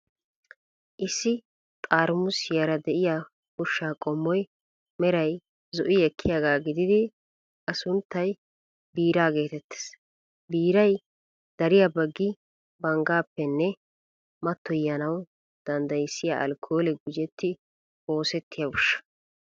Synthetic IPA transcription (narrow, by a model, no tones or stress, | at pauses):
ʔɪsːɪ | t̪ʼaːɾmʊsjɐɾɐd̪ɛʔɪja | hʊʃːaːkʼɔmːɔj | mɛɾɐj | zɔʔɪɛkʰːɪjaːɡaːɡɪd̪ɪd̪ɪ | ʔɐsʊnt̪ːɐj | biːɾaːɡe̞ːt̪ɛt̪ːe̥s | biːɾɐj | d̪̥ɐɾɪjabɐɡːɪ | bɐŋɡaːpːɛnːɛ | mɐt̪ːɔjɐnɐw | d̪̥ɐnd̪ɐjɪsːɪja̰ʔɐ̰lkʰːo̞ːlɛɡʊd͡ʒɛt̪ːɪ | o̞ːsɛt̪ʰːɪjɐʊʃːɐ̥